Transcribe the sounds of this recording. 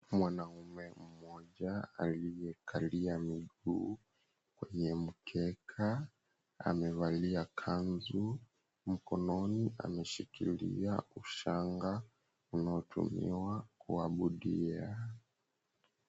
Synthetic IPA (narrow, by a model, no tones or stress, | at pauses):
mwanaumɛm̩mɔʄaalijɛkʰaliamiɡuː | kwɛɲɛm̩kʰɛkʰa | a̰mɛvaliakʰanzu | m̩kɔnɔniʔa̰mɛʃikḭlḭauʃaŋɡa | unaɔtʰṵmḭwakuaɓuɗia